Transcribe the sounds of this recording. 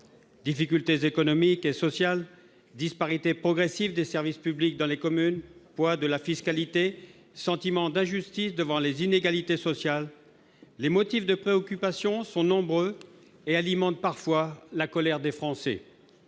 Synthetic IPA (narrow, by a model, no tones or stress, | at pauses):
d̪ifikʲylt̪ezekɔnɔmikesɔsjal | d̪ispaʁit̪epχɔɡʁesivd̪esɛʁvispyblik̚d̪ɑ̃lekɔmynpwad̪əlafiskalit̪e | sɑ̃t̪imɑ̃d̪ɛ̃ʒyst̪isd̪əvɑ̃lezineɡalit̪esɔsjalː | emɔt̪ifd̪əpχeɔkʲypasjɔ̃sɔ̃nɔ̃bʁø | ealimɑ̃t̪̚paʁfwalakɔlɛʁd̪efχɑ̃sɛ̰